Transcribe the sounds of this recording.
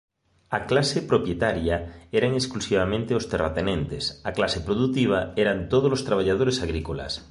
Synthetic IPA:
aklasepɾopjet̪aɾjaeɾaŋesklusiβamẽnt̪eost̪era̰t̪enẽnt̪esaklasepɾoðut̪iβ̞aeɾant̪oð̞ozlost̪ɾaβ̞aʎað̞oɾesaɣ̞ɾikola̰s

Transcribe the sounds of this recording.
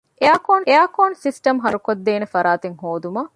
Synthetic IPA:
ʔeaːkoːneaːkoːnsisʈɐmɦɐɾukod̪ːeːnefɐɾaːt̪eŋɦoːd̪umɐ

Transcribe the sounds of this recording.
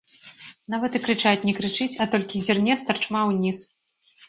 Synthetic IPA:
navɐt̪ɨkɾɨt͡ʂajut͡sʲnʲɛkɾɨt͡ʂɨt͡sʲɐt̪ɔlʲkʲizʲirnʲɛst̪ɐrt͡ʂmawnʲis

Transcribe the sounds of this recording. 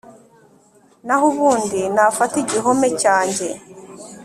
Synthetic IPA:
naɦuβuːndinafatiɟiɦo̞mecaːɲɟe̞

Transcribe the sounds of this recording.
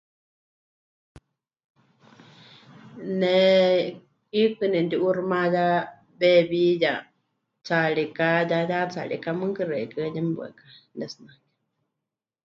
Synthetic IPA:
nɛ | kikɨnɛnd̪iʔurmaja | βɛβija | t͡saɺikajajat͡sa̰lḭkamɨŋkɨrɛkɨɲɛmbwɛ̰kḁnɛsnakɛ̥

